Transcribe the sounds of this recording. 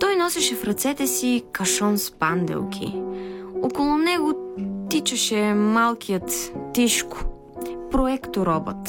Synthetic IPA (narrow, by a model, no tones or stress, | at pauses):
t̪ɔjnɔsɛʃɛfɾɐt̪sɛt̪ɛsikɐʃɔnspand̪ɛ̰lˠkʲʰḭ | okolˠʊnɛɡʊt̪it͡ʃɐʃɛmalˠkʰijət̪ːiʃkʊ̥ | pɾoɛkt̪oɾɔbə̰t̪